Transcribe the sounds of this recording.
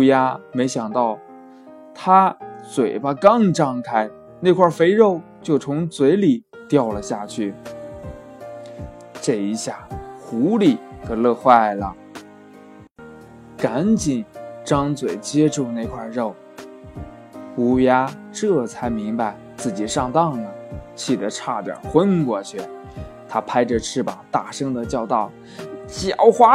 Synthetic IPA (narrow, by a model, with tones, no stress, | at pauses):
ja˥me˧˥ɪɕjɑ˨˩ŋt̪ɑ˥˩ʊ | t̪ʰa˥t͡swe˨˩ɪbɐ˧kɑ˥ŋʈ͡ʂɑ˥˧ŋkʰa˥ɪ | ne˥˧ɪkʰwa˞˥˩fe˥ɪɻo˥˩ʊ | t͡ɕjo˥˩ʊt͡sʰʊ˧˥ŋt͡swe˧˥ɪli˨˩˦ | t̪jɑ˥˩ʊlə˨˩ɕja˥˧˩t͡ɕʰy˥˩ | ʈ͡ʂɤ˥˩i˧˥ɕja˥˩xu˧˥li˨˩xɤ˧˥lɤ˥˧xwa˥˩ɪlə̰˩ | ka˧˥nt͡ɕi˨˩nʈ͡ʂɑ˥ŋt͡swe˨˩ɪt͡ɕjɛ˥ʈ͡ʂu˥˧ne˥˩ɪkʰwa˥˧˩ɻo˥˩ʊ | u˧˥ja˥ | ʈ͡ʂɤ˥˩t͡sʰa˧˥˩ɪmi˧˥ŋpa˧ɪt͡sɹ̩˥˩t͡ɕi˨˩ʂɑ˥˧ŋt̪ɑ˥˩ŋlə˩t͡ɕʰi˨˩d̪ə˦ʈ͡ʂʰa˥˩ʈ͡ʂə̰˨˩xwə˥nkwɔ˧˥˩t͡ɕʰɛ˥˩ | t̪ʰa˥pʰa˥ɪʈ͡ʂə˧ʈ͡ʂʰɻ̩˥˩pɑ˨˩ŋt̪a˥˩ʂɤ˥ŋd̪ə˨t͡ɕjɑ˥˧ʊt̪ɑ˥˩ʊ | t͡ɕjɑ˧˥ʊxwa˥